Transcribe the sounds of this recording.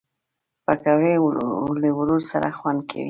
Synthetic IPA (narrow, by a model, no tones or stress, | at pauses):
pakawelewʊɾuɾsaɾaxwand̪̚kʰa̰wḭ